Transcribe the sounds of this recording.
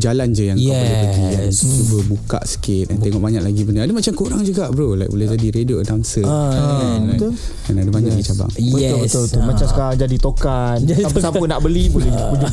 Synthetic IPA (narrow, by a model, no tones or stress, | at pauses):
d͡ʒaland͡ʒəjaŋkjɛlɛbəɡijat͡ʃubəbuka̰ʔsə̥kɪt̪̚ɛnt̪eŋɔʔbaɲaʔlaɡibəndəadəmat͡ʃamkuɾaŋd͡ʒuɡaʔbəɾolaj̰k̚bolɛhd͡ʒadiɾedioədaŋsəaaladanadəbaɲakdit͡ʃaba̰ŋbətɛlbəsolbət̪ʊlmat͡ʃamsəkaɾad͡ʒadit̪okansapəsaənaʔbəlibolɛpud͡ʒu